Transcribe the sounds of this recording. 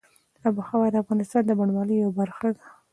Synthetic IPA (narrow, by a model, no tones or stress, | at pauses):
abuxawajd̪əafɣɑnɪst̪ɑnd̪əbaɳwɑləjawbaɾxad̪a